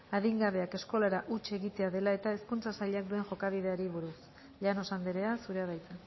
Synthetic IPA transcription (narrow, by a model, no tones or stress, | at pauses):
aðiŋɡaβe̞ake̞sko̞laɾaʔut͡ʃe̞ɣit̪e̞aðe̞lae̞t̪aeskunt͡sasaʎeak̚d̪ue̞nʝo̞kaβ̞ið̞e̞aɾiβ̞uɾus | ʎano̞sand̪eɾe̞asuɾeaβajt͡s̪a